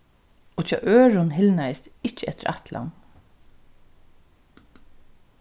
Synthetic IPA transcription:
oːt͡ʃʰɑ̰ʔøːɹʊnɦɪlnæɪsɪcːəɛt̪əɾʔat̪la̰n

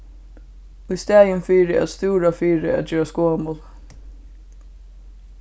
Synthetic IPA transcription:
ʊjst̪æːjɪnfiːɾɪæ̰t̪st̪uːɾafiːɾɪæ̰t̪̚d͡ʒøːɹaskoːmʊl

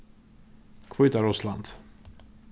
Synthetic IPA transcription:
kʰvʊʏt̪aɾʊsland̪̥

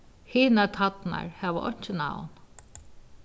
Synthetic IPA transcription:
hiːnat̪ʰat̪na̰ɹhɛʋəʔɔɲ̥t͡ʃɪna̰wn

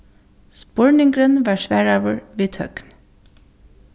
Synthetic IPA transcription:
spɔɹnɪŋɡɾənʋɑːʃʋæːɹɑʋəɹʋiːt̪ʰœ̰ɡ̥n

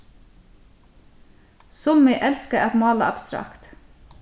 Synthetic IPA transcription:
sʊmɪʔɛlskəʔɛt̪mɑːləʔɑb̥st̪ɾɑ̰kt̪

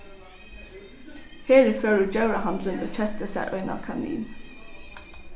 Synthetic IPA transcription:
heːɹɪføːɹəd͡ʒaʉɹɑhɑnd̪lənbət͡ʃʰɛt̪əsæ̰ɪʔœ̰ʏnɑ̰ʋkʰɑnḭːn

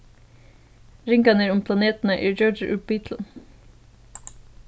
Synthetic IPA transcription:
ɾɪŋkɑnəɾʊmpʰlɑneːt̪n̩əʔiːd͡ʒɔd͡ʒəʔʉ̰b̥iːt̪ʰl̩

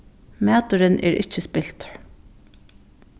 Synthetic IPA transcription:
mæːt̪ʊɾɪnʔɛ̰ːɾʔɪ̰t͡ʃːəspɪl̥t̪

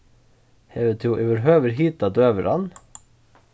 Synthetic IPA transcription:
heːʋət̪ʰɪuːʔɛʋəɾɦøːʋəɾhiːt̪ɑd̪øːʋəɾɑ̰n

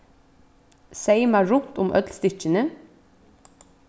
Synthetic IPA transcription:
seɪmæɹʊnt̪ʊmʔœ̰d̪lst̪ɪc͡çənə

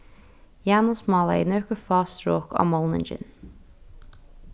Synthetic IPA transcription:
jæːnəsmɑːlɑɪ̰nœːkəfɑːst̪ɾoːkʰɑ̰ːmɔlˠnə̰nd͡ʒɪ̰n

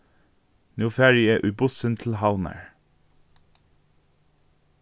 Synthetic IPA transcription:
nuːfæːɹɪeːʔʉbʊsənt̪ʰl̩hɑʊnə̰ɹ

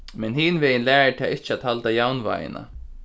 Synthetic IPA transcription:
mɛnɦiːnveːjɪnlæːɹɪt̪ʰaːɪht͡ʃːɪat̪halt̪ajawnva̰ːjɪ̰na̰

